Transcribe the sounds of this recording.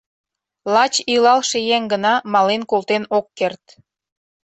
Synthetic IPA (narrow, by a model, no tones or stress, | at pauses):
lɑt͡ɕilɑlʃejæŋɡənɑmɑlenkolt̪enokːert̪